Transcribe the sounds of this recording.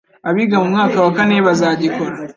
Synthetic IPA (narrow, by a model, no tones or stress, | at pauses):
aβiɡamumŋaːkawakaneβazaːɟiko̞ɾa